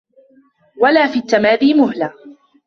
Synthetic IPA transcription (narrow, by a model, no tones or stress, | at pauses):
walaːfiːt̪ːamaːðiːmʊɦlaː